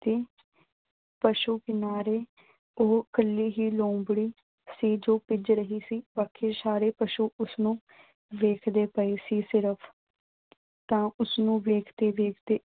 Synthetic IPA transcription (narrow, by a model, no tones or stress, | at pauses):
t̪eː | pəʃuːkɪnaːɾeː | oːkəlːiːɦiːlõːbɽiː | siːd͡ʒoːpɪd͡ʒɾəɦiːsiːbaːkʰːeːsaːɾeːpəʃuːʔʊsnũː | ʋeːkʰd̪eːpəeːsiːsɪɾəpʰ | t̪ãːʔʊsnũːʋeːkʰd̪eːʋeːkʰd̪eː